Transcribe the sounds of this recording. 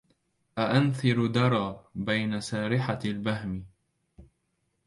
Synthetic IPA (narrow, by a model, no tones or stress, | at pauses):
ʔaʔanθɪɾd̪ɑɾˤɑːbajnasaːɾɪħalbaɦmɪ